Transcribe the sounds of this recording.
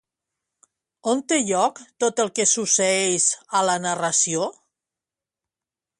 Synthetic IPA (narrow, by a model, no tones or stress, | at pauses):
ont̪eʎɔkt̪ot̪əlˠkesuseɛjzəlanarasio